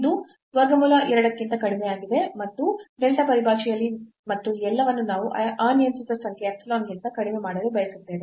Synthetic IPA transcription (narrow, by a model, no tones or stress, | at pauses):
d̪u | sʋɐɡɐmuːlɐʔɛɾɐɽɐkːint̪ɐkɐɽimejaːɡid̪e̞mɐt̪ːuɖelʈɐpɐɾibʱaːʃijɐlːi | mɐt̪ːuɛlːɐʋɐnːunaːʋuʔɐʔaːnijɐmsit̪ɐsɐŋkʰɛɐkslaːmɡint̪ɐkɐɽimemaːɽɐlebɐjɐsut̪ːeːʋe